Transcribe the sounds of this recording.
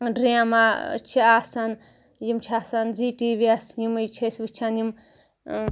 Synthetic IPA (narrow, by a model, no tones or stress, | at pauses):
ɖɾiãmat͡ʃʰiasɐn | jimt͡ʃʰaːsɐnziʈiʋiasnimɨjt͡ʃʰesʋit͡ʃʰanim